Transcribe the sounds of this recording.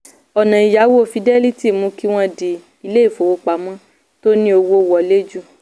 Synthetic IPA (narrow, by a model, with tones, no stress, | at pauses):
ɔ˨nã˨i˨ja˨˦wo˦˨fi˧dɛ˦li˦ti˦˨mũ˨˦ki˦w̃ɔ̃˦di˨ | i˧le˦i˦˨fo˨wo˧˦k͡pa˨˦mɔ̃˦ | to˦nĩ˦o˧wo˦wɔ˨le˦d͡ʒu˦˨